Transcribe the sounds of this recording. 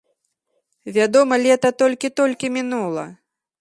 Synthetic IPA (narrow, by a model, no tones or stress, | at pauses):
vʲad̪ɔmɐlʲɛt̪ɐt̪ɔlʲkʲit̪ɔlʲkʲimʲinulˠɐ